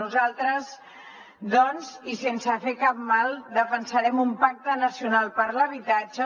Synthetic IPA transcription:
uzalˠt̪ɾəz | d̪ɔnzisensəfekap̚malˠd̪əfənsəɾɛmumpak̚t̪ənəsiunalˠpəɾləβ̞it̪ad͡ʒə

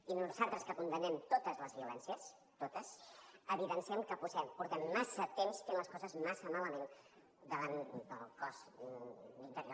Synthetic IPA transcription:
inuzalˠt̪ɾəskəkund̪ənɛmt̪ot̪əzləzβiulɛnsiəs | t̪ot̪əsəβiðənsiɛmkəpuzɛmpuɾt̪ɛmːasət̪emst̪enləskɔzəzmasəmaləmen | d̪əβand̪əlˠkɔz | int̪əɾio

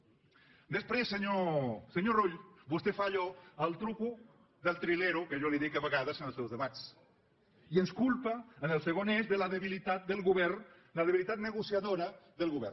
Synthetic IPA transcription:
d̪əspɾesːəɲosəɲoruʎbust̪efaʎɔəlˠt̪ɾuku | ðəlˠt̪ɾileɾukəʒoliðikaβəɣaðəsənəlˠsewzðəβat̪t͡s | iənskulpaːnəlˠseɣonezðəlaðeβilit̪at̪̚d̪əlɣuβɛrn | ləðeβilit̪at̪̚nəɣusjaðoɾaðəlˠɣuβɛ̰r

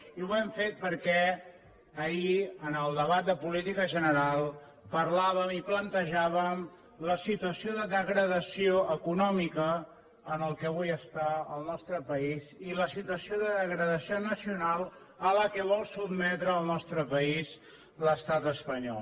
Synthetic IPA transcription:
iwɛɱfet̪̚pəɾkɛ | əiənəlˠd̪əβat̪̚d̪əpulit̪ikəʒənəɾalˠ | pəɾlaβəmiplənt̪əʒaβəm | ləsit̪uəsioðəðəɣɾəðəsioʔəkunɔmikə | ənəlˠkɛβujəst̪aəlˠnɔst̪ɾəpəiziləsit̪uəsioðəðəɣɾəðəsionəsiunalˠ | ələkɛβɔlˠsubmɛt̪ɾəːlˠnɔst̪ɾəpəiz | ləst̪at̪əspəɲɔl

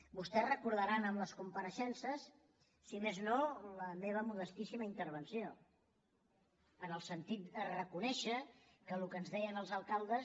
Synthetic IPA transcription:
bust̪ɛrəkuɾð̞əɾanəmləskumpəɾəʃɛnsəsː | imeznoləmeβ̞əmuðəst̪isiməint̪əɾβ̞ənsio | ənəlˠsənt̪it̪̚d̪ərəkunɛʃə | kəlukəːnzðɛjənəlˠzəlˠkalˠd̪əs

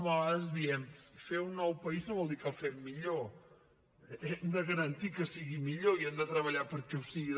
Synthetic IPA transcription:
βɔəzðiɛmfeunːɔwpəiznoβɔlˠd̪ikəfɛmːiʎo | ɛmd̪əɣəɾənt̪ikəsiɣimiʎoiɛmd̪ət̪ɾəβəʎapəɾkɛusiɣi

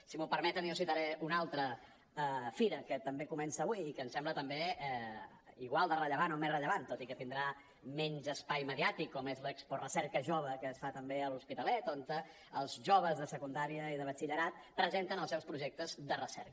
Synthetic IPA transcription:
simupəɾmɛt̪əniusit̪aɾɛunalˠt̪ɾə | əfiɾəkət̪əmbekumɛnsəːβwiːkəːnsɛmblət̪əmbe | iɣwalˠd̪ərəʎəβ̞anomezrəʎəβant̪ot̪ikət̪ind̪ɾa | mɛnzəspajməðiat̪ikːɔmezləksporəsɛɾkəʒoβəkəːsfat̪əmbeəluspit̪əlɛt̪ont̪ə | əlˠzʒoβəzðəsəkund̪aɾiəiðəβət͡ʃiʎəɾat̪̚ | pɾəzent̪ənəlˠsɛwspɾuʒɛk̚t̪əzd̪ərəsɛ̰ɾkə

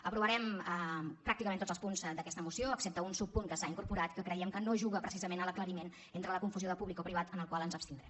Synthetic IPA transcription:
əpɾuβəɾɛm | pɾak̚t̪ikəment̪od͡zəlspunzd̪əkɛst̪əmusioəksep̚t̪əunsupːuŋkəsaiŋkuɾpuɾat̪kəkɾəjɛmkənoʒuɣəpɾəsizəmenələkləɾimen | ent̪ɾələkuɱfuzioðəpuβlikɔpɾiβat̪ənəlˠkwalˠənzəpst̪ind̪ɾɛm

